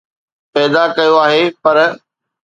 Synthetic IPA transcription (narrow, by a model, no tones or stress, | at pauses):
pɛːd̪akɐjoaːɦepɐɾ